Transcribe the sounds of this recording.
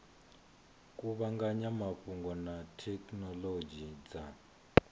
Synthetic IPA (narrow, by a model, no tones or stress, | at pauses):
kʼuβaŋɡaɲamaɸuŋɡɔnatʰɛknɔlod͡ʒid͡za